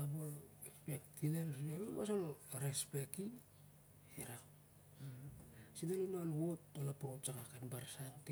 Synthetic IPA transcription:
abol | pektʰilelseβumasolɾespeki | eɾa | sinelunoanwotolapott͡ʃakakabaɾsante

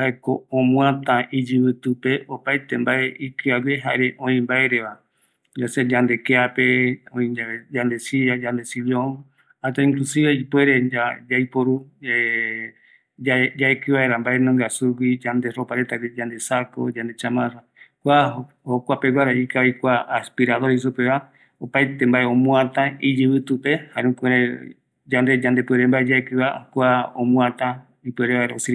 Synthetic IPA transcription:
haekõːmw̃ãt̪ãʔid͡ʒɨβɨt̪ɨpe̞opajt̪e̞mbaʔeʔikɨaɡeɦa̰eɾeʔõĩmbaeɾe̞βa | d͡ʒased͡ʒãnd̪e̞keape̞õĩad͡ʒand̪e̞siad͡ʒand̪e̞silio | at̪aĩŋklusiβeipwe̞ɾed͡ʒad͡ʒajpoɾue | d͡ʒad͡ʒaekɨβaeɾambaenõŋɡasuɡid͡ʒand̪ero̞paɾet̪aɡid͡ʒand̪e̞sako̰d͡ʒand̪et͡ʃamãɾa | kʷa | hokʷape̞wʷaɾaikajkʷaːspiɾaðois̬upeβa | opajt̪e̞mbaʔeõmũãt̪aid͡ʒɨβɨt̪upe̞haɾũkʷeɾe | d͡ʒand̪e̞d͡ʒand̪e̞pweɾembaed͡ʒaekɨβakʷaõmũat̪a | ipweɾeβaeɾaosi

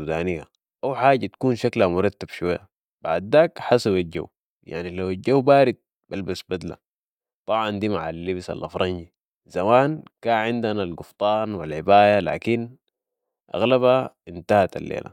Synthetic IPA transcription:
ud̪aːnija̰ | ʔawħaːɟat̪ḁkuːnʃaklamʊɾˤɑt̪ːab̥ʃuwajːa | b̥a̰ʕd̪ːaːkħasaβalɟa̰wː | ja̰ʕnilawalɟawbaːɾid̪̚ | balbasbad̪la̰ | t̪ˤɑbʕɑnd̪iːmaʕalːibsa̰lʔa̰fɾˤɑnɟi | zamaːnkaːnʕɪnd̪analɡuft̪ˤɑːnwilʕɪbaːjala̰ːkin | ʔa̰ɣlabhaint̪ahat̪a̰lːḛːla̰

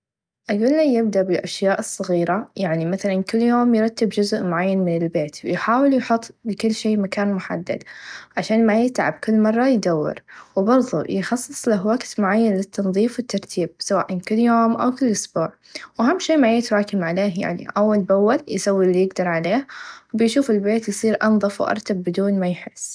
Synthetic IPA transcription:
ʔaɡuːlːajɪbd̪aʔbɪlʔaʃjaːʔɨsˤːɑɣiːɾajaʕnimaθalankɪlːjoːmjɾˤɑt̪ːɪbd͡ʒʊzʔmʊʕajːanmɪnɪlbeːt̪wjħaːwɪljħʊt̪ˤːlɪkɪlːʃeːmakaːnmʊħa̰d̪ːa̰d̪ʕaʃaːnmajɪt̪ʕa̰b̚kɪlːmɑrˤːɑjd̪awːɪ̰ɾwbɑɾˤðˤṵjɪxɑsˤːɨ̥sˤlaɦwaɡt̪mʊʕajːanlɪt̪ːɑnðˤiːfwɪt̪ːɑɾˤt̪ʰiːb̚sawa̰ːʔankɪlːjoːmʔa̰wkɪlːʔʊsbuːʕ | wɦamːʃiːmajɪt̪ɾˤɑːkɪmʕaleːhja̰ʕnḭʔawːalbawːaljɪsawːilːijɪɡd̪ɑɾˤʕaleːhwbɪjʃuːfɪlbeːt̪jsˤiːɾʔɑnðˤɨfwʔɑ̰ɾˤt̪abːɪd̪uːnmajħɪsː

